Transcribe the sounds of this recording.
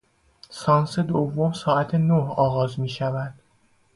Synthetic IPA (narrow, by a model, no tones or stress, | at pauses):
sɒːnsed̪ovːo̞msɒːʔæt̪ʰenohɒːɣɒːzmiːʃævæd̪̥